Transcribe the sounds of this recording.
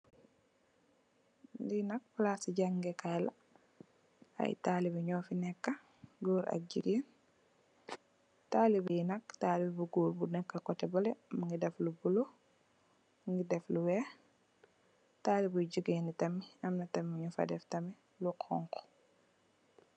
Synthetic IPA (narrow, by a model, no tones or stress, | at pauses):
ndinak̚plasiɟaŋɡɛkajla | a̰jtalibiɲɔːfinɛkːa | ɡoːɾa̰k̚d͡ʒiɡen | taːlibijinaktaːlibbuɡuːɾbunɛkːakɔtɛbɔlɛmaŋɡidɛflubulo | ŋɡidɛfluwɛ | taːlibuɟiɡeːnitamːiamnatamːiɲufa̰dɛftami | lukʰɔ̰ŋkɔ̥